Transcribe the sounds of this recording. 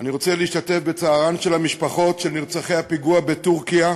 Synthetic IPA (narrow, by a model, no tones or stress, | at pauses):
aniʁo̞t͡seleiʃtate̞fbet͡saːʁanʃe̞lhamiʃpaχo̞tʃelniʁt͡saχejhapiɡuabe̞tuʁkija